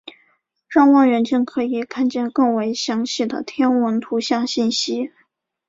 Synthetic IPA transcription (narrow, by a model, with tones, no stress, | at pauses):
ʈ͡ʂɑ˥˧ŋwɑ˥˩ŋɻə˧˥nt͡ɕi˥˩ŋkʰɤ˧˥i˨˩kʰa˥˧nt͡ɕjɛ˥˧nkɤ˥˩ŋwe˧˥ɪɕjɑ˧˥ŋɕi˥˩d̪ə̰˩t̪ʰjɛ˥nwə˧˥nt̪ʰu˧˥ɕjɑ˥˧ŋɕi˥˩nɕi˥